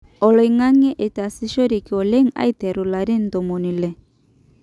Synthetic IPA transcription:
ɔ˨lɔ˨i˨ŋa˦ŋɛ˦ʔe˨ta˨si˦ʃo˦ɾi˨ki˨ɔ˨le˦ŋa̰˦i˦tɛ˨ɾu˨la˨ɾi˦n˨to˨mo˨ni˨lɛ˨

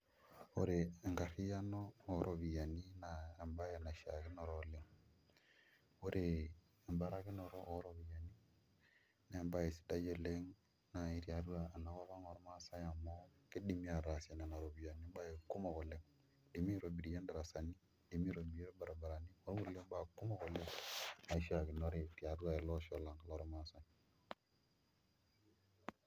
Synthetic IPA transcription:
o˨ɾe˨ŋɡa˨ɾi˦ja˦noː˦˨ɾʔo˨βi˨ja˨ni˦naː˨mba˦je˨na˨ʃa̰˨ke˦nɔ˨ɾɔ˦˨le˦ŋ | o˦ɾʔeː˨ | mba˦ɾa˦ke˦nɔ˨ɾɔ˦ʔːɾɔ˦βi˨ja˨ni˦ | na˨mba˦je˨si̥˦da˦je˦le˦ŋ | na˨i˦ɾi˦a˨ɾu˦aː˨na˨ka˦βa˦ŋɔ˨ɾma˦sa˦ja˨mɔ˦ki˦di˨mi˦a˨ɾa˨se˨na˨na˨ɾo˨bi˨ja˨ne˦ba˦je˨ku˦ma˨ko˨le˦ŋ | di˨mi˦ɾo˨bi˨ɾi˨ja˦nda˨ɾa˨sa˨ni˦ | di˨mi˦ɾo˨bi˨je˦ɾba˨ɾa˨ba˨ɾa˨ni˦o˦ɾɡu˨le˦m˦ba˦˨ku˦ma˨ko˨le˦ŋa˨i˦ʃi˦a˨ki˨no˦ɾe˦˨ti˨a˨du˦a˨e˨lo˦ʃo˨la˨ŋka˨lo˦ɾo˦ma˨˦sa˦ɲ

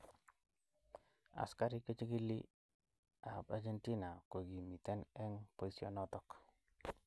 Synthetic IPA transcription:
a̰˨ska˦ɾi˦kə˦t͡ʃi˦ɡi˦lːḭ˦ | a˨bad͡ʒe˦nti˦na˨ko˨ɡi˨mi˨t̪ɛ˦nɛ˦ŋpo˨i˦sjɔ̰nɔtɔ˦k

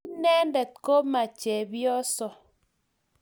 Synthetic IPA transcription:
nɛ˦ndɛ˨t̚ko˦ma˨t͡ʃɛ˨bjɔ˦sɔ˨

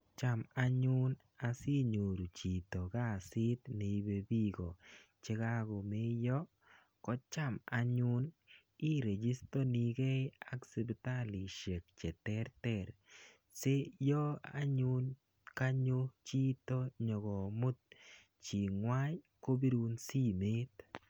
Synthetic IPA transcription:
t͡ʃa˦ma˦ɲʊ˦n | a˨si˦ɲo˨ɾu˨t͡ʃi˨t̪o˨ɡa˦˨si˦t̪ne˨˦be˦bi˦ɡɔ̰˨t͡ʃe˧ɡa˦ɡo˨me˦jɔ˦ | kɔ˦t͡ʃa˦˨ma˨ɲʊ˦n | i˦ɾe˨d͡ʒi˦st̪ɔ˦ni˨ɡe˦a˦kse˨bt̪a˦li˨ʃe˨k̚t͡ʃɛ˨t̪ɛ˦ɾtɛ˦ɾ | se˦jɔ˦a̰˦ɲu˦n | ka˦ɲo˦t͡ʃi˦t̪o˦ɲɔ˨ɡɔ˨mʊ˦t̪̚ | t͡ʃi˨ŋwa˦j | ko˦bi˦ɾu˦nsi˦me˦t̪

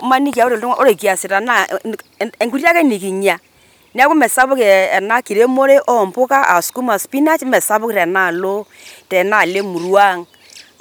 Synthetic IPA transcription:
ma˦ni˦k̬i˨a˦o˦ɾe˨lto˦ŋa˦o˦ɾe˨ki˨a˨sɪ˨ta˨na˦˨ | e˨ŋku˦ɾja˦kɛ˦ni˨ki˨ɲa˨ | ni˦a˦ku˦mɛ˨sa˦bʊ˦ke˨ɛ˨na˦ki˨ɾe˦mo˦ɾe˦ʔɔ˦˨mpʊ˦ka˦a˨sku˦ma˨spi˦na˦t͡ʃmɛ˨sa˦bʊ˦ktɛ˨na˦˨lo˦ | tɛ˨na˦˨le˦mu˨ɾwa˦˨ŋ

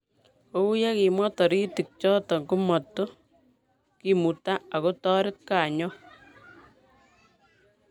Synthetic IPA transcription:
o˦u˦ja˦ki˨mwɔ˦tɔ˨ɾi˦ti˨k̚t͡ʃɔ˦tɔ˨ŋɡu˦mɔ˨tːo˦ | kimu˨ta˦a˨ko˦tɔ˦ɾɪ˦t̚ka˨ɲɔ˦

